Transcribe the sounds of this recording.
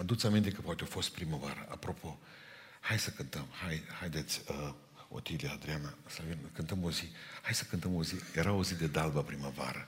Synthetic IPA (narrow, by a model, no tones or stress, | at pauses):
ad̪ut̪samint̪ekəpoat̪eo̞fo̞st̪̚pɾiməvaɾəʔa̰pɾo̞pʰo̞ | hajsəkɨnt̪əmhajhajd̪et̪sʲ | o̰t̪ilead̪ɾianasavinkɨnt̪əmo̞zihajsə̥kɨnt̪əmo̞zijeɾao̞zid̪e̞d̪albəpɾimava̰ɾə